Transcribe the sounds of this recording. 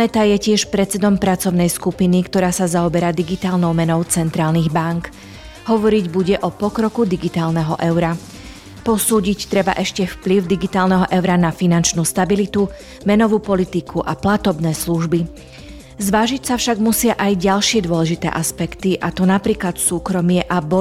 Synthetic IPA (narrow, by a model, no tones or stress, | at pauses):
nɛt̪ajɛcɪɛʃpɾɛt͡sɛd̪ɔmpɾat͡sɔʊnɛjskupinikt̪ɔɾaːsazaɔbɛɾaːd̪iɡit̪aːlnɔʊmɛnɔʊt͡sɛnt̪ɾaːlniɣbaŋk | ɦɔʋɔɾiɟbuɟɛʔɔpɔkɾɔkud̪iɡit̪aːlnɛɦɔ̰ʔɛʊɾa | pɔsuːɟict̪ɾɛba̰ʔɛʃcɛfpliʊd̪iɡit̪aːlnɛɦɔʔɛʊɾanafinant͡ʃnuːst̪abilit̪u | mɛnɔʋuːpɔlit̪ikʰuʔaplat̪ɔbnɛːsluʒbi | zʋaːʒicsafʃaɡmusɪaʔajɟalʃɪɛd̪ʊɔlɛʒit̪ɛ̰ːʔaspɛkt̪iʔat̪ɔnapɾiːklat̪suːkɾɔmɪɛʔabɔ